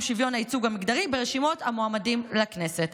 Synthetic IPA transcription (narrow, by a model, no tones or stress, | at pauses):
ʃivjo̞nhait͡suɡamikd̪aʁibeʁeʃimo̞thamoamadimlakneset